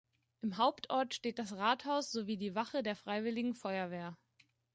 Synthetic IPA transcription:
ʔɪmɦaʊptʰʔɔɐtʃteːt̚d̥asʁaːthaʊsz̥oviːdiːvaχədeːɐfʁ̥aɪvɪlɪɡŋ̩fɔʏɐveːɐ

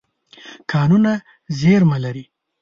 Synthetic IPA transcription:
kʰɑnuna | zeɾmalaɾi

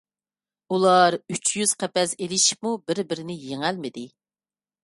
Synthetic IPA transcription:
ulˠɑɾyt͡ʃjyz̥qʰɛpɛselɪʃi̥pmubɪɾbɪɾɪnɪjeŋælmɪd̪ɪ

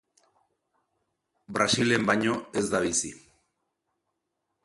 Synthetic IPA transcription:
bɾasilembaɲoezðaβisḭ

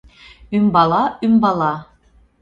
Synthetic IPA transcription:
ymbɑlˠɑymbɑlˠɑ

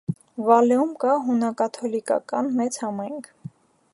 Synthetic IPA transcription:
vɑlɛumkɑɦunɑkɑt̪ʰɔlikɑ̰kɑnmɛt͡shɑmɑjŋkʰ

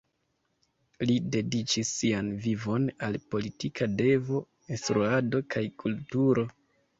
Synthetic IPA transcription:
lide̞dit͡ʃisːianvivo̞nalpo̞litikade̞vo̞ | instɾuado̞kʰajkʰultuɾo̞

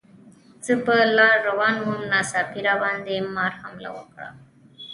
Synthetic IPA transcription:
t͡sɨpəlaɾowanmumnasapʰiɾaband̪emːaɾhamla̰wo̰kɽa̰

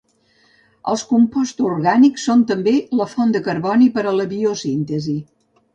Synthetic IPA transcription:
ə̰lˠskumpɔst̪uɾɣaniksont̪əmbeləfond̪əkəɾβɔnipəɾələβiosint̪əzi

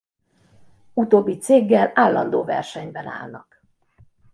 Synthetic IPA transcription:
ut̪oːbːit̪seːɡːɛlaːlːɒnd̪oːvɛ̰rʃɛɲbɛna̰ːlnɒk

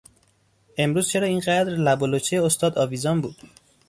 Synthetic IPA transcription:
ʔe̞mɾuːz̥t͡ʃʰe̞ɾɒːiːnɢæd̪ɾlæbolot͡ʃʰejeost̪ɒːd̪ɒːviːzɒːmbuːd̪̥

